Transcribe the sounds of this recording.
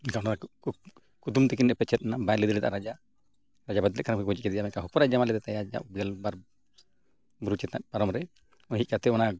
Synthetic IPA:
ɛkaɔnaa | kud̪umt̪ɛk̬inɛpɛt͡ʃɛt̪̚nabaɛlɛd̪ilɛd̪a̰ɾad͡ʒa | ɾad͡ʒabad̪lɛʔ̚kaɾamkiɡɔd͡ʒit̚kɛd̪ɛjamɛkaɦɔpɔɾad͡ʒamalɛd̪ɛt̪ajad͡ʒa̰ʔbɡɛlbaɾ | buɾut͡ʃɛt̪̚na̰ʔ̚paɾɔmɾɛ | ɔɦic̪̚kat̪ɛɔna

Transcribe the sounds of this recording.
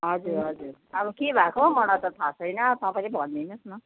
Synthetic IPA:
ɦʌd͡zuɾɦʌd͡zuɾabukebʱakʰomʌnat̪ʌt̪ʰasʌjnʌt̪ãpãj̃lebʱʌnd̪inʌsnʌ

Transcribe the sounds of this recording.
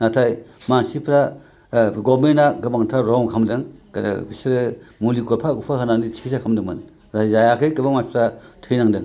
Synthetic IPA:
natʰajmansipʰɾa | ɡɔmenaɡɯbaŋtʰaɾɔmkʰamdɯŋka̰da̰bisɾɯmulikopʰakupʰaɦɯnandisʰi̥kʰisakʰamdɯŋmɯn | zazajakʰɯjkɯbamansipʰɾatʰɯjnaŋdɯŋ

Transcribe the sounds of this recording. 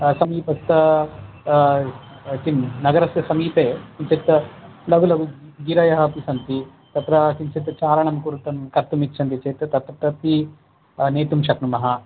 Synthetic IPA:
sɐmiːpɐst̪ɐ | t͡ʃinnɐɡɐɾɐsjɐsɐmiːpeːt͡ʃimsɐt̪ːɐ | lɐɡulɐɡuɡiɾɐjɐɦɐpisɐnt̪i | t̪ɐt̪ɾɐsinsɐt̪ɐt͡ʃaːɾɐɳɐmkuɾut̪ɐmkɐɾt̪umit̪ːt͡ʃʰɐnt̪it͡ʃeːt̪t̪ɐt̪ɾɐt̪ɾɐt̪i | neːt̪umʃɐknumɐɦɐ

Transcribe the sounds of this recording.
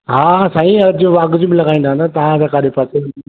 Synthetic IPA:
ɦaːsãːĩɐd͡ʑʊʋaːɡʊd͡ʑmɪ̃lɐɡaːĩnd̪aːənd̪at̪ɐʋãsãkaːɗepɐs

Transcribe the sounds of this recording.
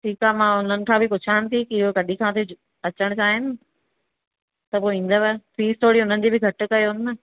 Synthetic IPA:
ʈʰiːkaːmãʊn̤ənɪ̆kʰãːbʱɪpʊt͡ɕʰaːɪnɪ̆t̪ʰikɪɪɦokɐɗikʰãːt̪ʰe | ɐt͡ɕəɽ̃t͡ɕaːɦɪnɪ | t̪ɐpoːĩːn̆d̪aʋafiːst̪ʰoːɽiɦʊnənɪ̆d͡ʑeːbɪɡʱɐʈ̆kɐjoɦʊnɪ̆ɐ

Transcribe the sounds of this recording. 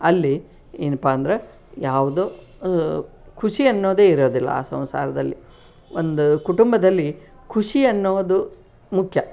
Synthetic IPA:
ɐlːi | enupaːɐnd̪ɐɾɐ | jaːʋud̪oː | kʰuʂiɐnːo̞ːd̪eːiɾoːd̪ilːɐ̰a̰ːsɐ̰̃w̃sa̰ːɾɐd̪ɐlːi | ond̪ukuʈumbɐd̪ɐlːi | kʰuʂiɐnːoːd̪u | mukʰjɐ

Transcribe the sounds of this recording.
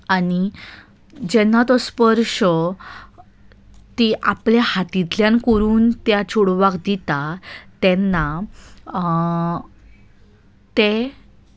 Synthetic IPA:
ani | d͡ʑɛnːat̪ɔspəɾʂə | t̪iʔapljahat̪it̪ljãnkəɾuːnt̪jat͡ɕʰuɽʋakd̪it̪at̪ɛnːa | t̪e

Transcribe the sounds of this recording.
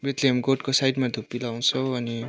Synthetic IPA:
bet̪lemɡoʈkosajʈmad̪ʱupːilaw̃t͡sʰʌʌni

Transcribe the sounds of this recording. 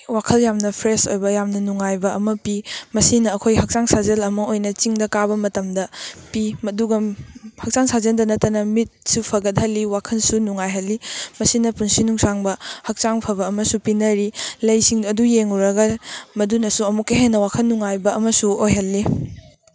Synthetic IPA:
wakʰɐljamnɐpʰɾeso̰jbɐjamnɐnuŋajbɐɐmɐpimɐsinɐːkʰojhɐk̚t͡ʃaŋsazɐlɐmɐojnɐt͡ʃiŋdɐkabɐmɐtɐmdɐpimɐduɡɐhɐk̚t͡ʃaŋsazɐndɐnɐtːɐnɐmit̚supʰɐɡɐt̬̚hɐlːiwakʰɐnsunuŋajɦɐlːimɐsinɐpunsinuŋsaŋbɐhɐk̚t͡ʃaŋpʰɐβɐːmɐsupinɐɾilɐjsiŋdːdujeŋuɾɐɡɐmɐdunɐsuɐmukːɐɦenːɐwakʰɐnːuŋajbɐɐmɐsuojɦɐlːi

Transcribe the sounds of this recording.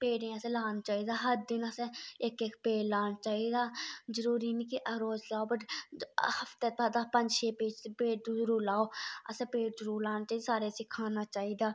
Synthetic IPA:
peːɽẽːəsẽːlaːnːt͡ʃaːiːd̪aːɦəɾd̪ɪnəsẽɪkekpeːɽlaːnt͡ʃaːiːd̪aːzəɾuːɾiːnikɪʔəɾoːd͡ʒlaːoːbəʈ | həft̪eːt̪aːd̪aːpənd͡ʒʃeːpeːd͡ʒt̪epeːʈːuəɾuːɾlaːoːə̰sẽːpeːɖzəɾuːɾlaːnat͡ʃaːiːd̪esaːɾeːsɪkʰaːnaːt͡ʃaːiːd̪aː

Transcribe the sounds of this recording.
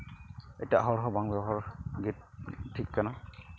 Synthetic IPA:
ḛtiaʔaɦɔɹɦɔbaŋbɦɔɹɡet̚tʰːikːana

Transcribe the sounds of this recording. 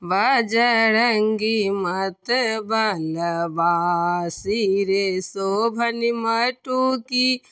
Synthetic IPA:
ʋɐd͡ʒɐɾɐŋɡimɐt̪əbɐnɐbaːsiɾesoːbʱɐnimɐʈuki

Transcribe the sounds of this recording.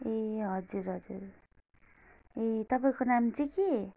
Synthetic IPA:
eɦʌd͡zuɾɦʌd͡zṵɾ | et̪ʌpaĩkonamt͡siki

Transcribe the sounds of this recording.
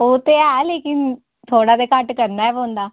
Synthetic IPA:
oːt̪eːaleːkɪn | t̪ʰoːɽaːd̪eːkəʈkəɾnaːɛːʋõːnd̪aː

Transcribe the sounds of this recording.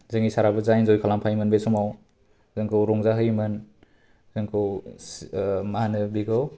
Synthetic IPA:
zɯŋisaɾabɯzajnzɔjkʰalampʰajmɯnbesɔmaw | zɯŋkʰɯwɾɔŋzaɦɯjmɯn | zɯŋkʰɯw | mahanɯbiɡɯw

